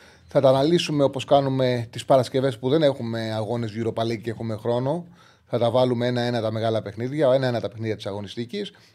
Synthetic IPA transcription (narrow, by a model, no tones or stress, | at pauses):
θɐt̪ɐːnɐlisume̞o̞po̞skɐnume̞t̪ispɐɾɐsce̞ve̞spuðe̞ne̞xume̞ɐɣo̞ne̞zʝuɾo̞pɐlicexume̞xɾo̞no̞ | θɐt̪ɐvɐlume̞e̞nɐe̞nɐt̪ɐme̞ɣɐlɐpe̞xniðʝɐe̞nɐenɐt̪ɐpe̞xniðʝɐt̪isɐɣo̞nist̪icis